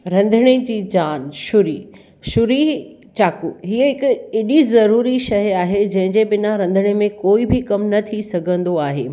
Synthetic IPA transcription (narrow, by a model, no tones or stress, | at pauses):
ɾɐ̃nd̪ʱəɽ̃ed͡ʑiːd͡ʑaːnʃʊɾiː | ʃʊɾi | t͡ɕaːkuɦiəɦɪkɪɗizɐɾuːɾiʃɐɦjaːɦed͡ʑɐ̃ɦɪ̃ɲd͡ʑebɪnaɾɐ̃nd̪ʱəɽ̃emẽkoːibʱɪkɐmnɐt̪ʰisɐɡʱə̃nd̪oaːɦḛː